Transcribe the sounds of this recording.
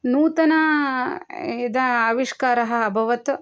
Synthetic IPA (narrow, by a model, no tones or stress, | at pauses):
nuːt̪ɐnɐ | id̪ɐaːʋiʂkaːɾɐɦɐ̆ɐbʱɐʋɐt̪